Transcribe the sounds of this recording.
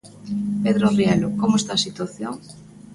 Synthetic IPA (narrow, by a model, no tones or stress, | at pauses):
peðɾoriɛlokomoest̪asit̪waθjoŋ